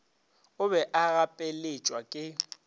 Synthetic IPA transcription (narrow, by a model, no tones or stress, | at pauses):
ʊβɛʔaɣapʼelɪt͡ʃʼwakʼɪ